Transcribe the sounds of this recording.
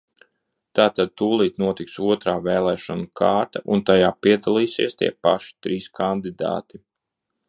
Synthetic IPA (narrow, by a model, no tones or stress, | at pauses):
t̪aːt̪ad̪̚t̪uːlˠiːt̪nuɔt̪iksuɔt̪ɾaːvɛːlˠɛːʃɔnukʰaːɾt̪aʔunt̪ajaːpiɛd̪alˠiːsḭɛst̪ḭɛpa̰ʃi̥t̪ɾiːskʰand̪id̪a̰ːt̪i